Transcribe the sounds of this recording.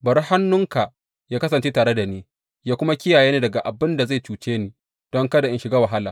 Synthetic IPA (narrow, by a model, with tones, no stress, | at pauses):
bɐ˨ɾha˦nːʊ˦ŋka˨ | jaː˦kɐ˦s̬ɐ˨nt͡ʃe˦taː˨ɽe˦da˨neː˦ | jaː˦kʷʊ˦ma˦kʲɪ˦jaː˨jeː˦neː˦˨dɐ˨ɡa˨ʔa˨bɪ˦nda˨za˦˨jt͡ʃuː˨t͡ʃeː˦niː˨ | d̥ɔ˦ŋkɐ˦da˨ʔɪ˦nʃɪ˨˦ɡaː˦wɐ˨ɦa˦laː˨